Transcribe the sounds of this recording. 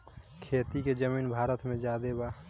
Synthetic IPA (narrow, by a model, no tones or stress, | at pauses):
kʰeːt̪iked͡ʒəmiːnbʱaːɾət̪mẽd͡ʒaːd̪eba